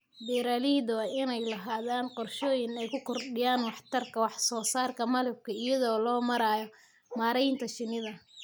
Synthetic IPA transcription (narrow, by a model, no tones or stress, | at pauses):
bɛːɾaːliːd̪wɑːɪnɛjlɐɦaːðaːnqɔrʃɔːjɪnɛjkʰʊkʰɔrɖɪjaːnwɑħt̪ʰɐrkʰɐwɑħsɔːsaːrkʰɐmɐlɛb̚kʰɐɪjɐðɔːlɔːmɐɾaːjɔ | maːɾɛjnt̪ʰɐʃɪnɪðɐ